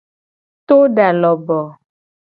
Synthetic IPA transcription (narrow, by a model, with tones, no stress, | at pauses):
t̪o˦ɖa˨lɔ˨bɔ˨